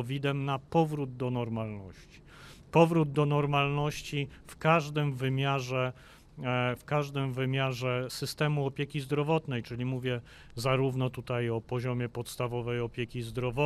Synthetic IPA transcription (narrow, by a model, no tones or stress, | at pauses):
vʲid̪ɛmnapɔvɾud̪d̪ɔnɔɾmalnɔɕt͡ɕi̥ | pɔvɾud̪̚d̪ɔnɔɾmalnɔɕt͡ɕifkaʐd̪ɘmvɘmʲjaʐɛ | fkaʐd̪ɘmvɘmʲjaʐɛsɘst̪ɛmuɔpʲjekʲizd̪ɾɔvɔt̪nɛjt͡ʂɘlʲimuvʲjɛ | zaɾuvnɔt̪ut̪ajɔpɔʑɔmʲjɛpɔt̪st̪avɔvɛjɔpʲjekʲizd̪ɾɔvɔ